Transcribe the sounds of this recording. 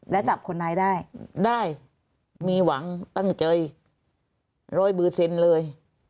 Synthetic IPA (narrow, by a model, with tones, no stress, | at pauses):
lɛ˦˥wt͡ɕa˨˩p̚kʰo˧nːda˧jdaː˥˩jdaː˥˩j | miː˧wa˩˦ŋt̪ɔ˥˩ŋt͡ɕɤː˧j | ɾɔː˧jbɯː˨˧˩sʰe˧nlɤː˧j